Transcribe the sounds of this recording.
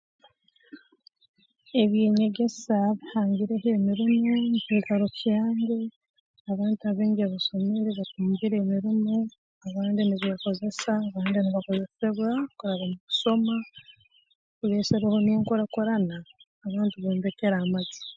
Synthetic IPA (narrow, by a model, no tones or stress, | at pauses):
e̞βjeːɲe̞ɟe̞saβihaːɲɟiɾeɦeːmiɾimoniciːɡaɾocjaːɲɡe̞ | aβaːntiaβeːɲɡeβaso̞me̞ɾeβatuːmbiɾeːmiɾimo | aβaːndiniβijako̞ze̞saːβaːndiniβako̞ze̞seβwakuɾaβamuβuso̞ma | kuβeːseβeho̞niŋkoɾakoɾanaː | βaːntiβeːmbekeɾamazi̥